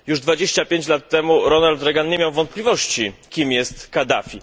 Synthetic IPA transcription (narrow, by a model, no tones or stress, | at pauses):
juʐd̪vad͡ʑeɕt͡ɕapʲjeɲt͡ɕlat̪ːɛmuɾɔnald̪ɾɛɡanɲemʲjawvɔnt̪̚plʲivɔɕt͡ɕikʲimjɛst̪kad̪afʲi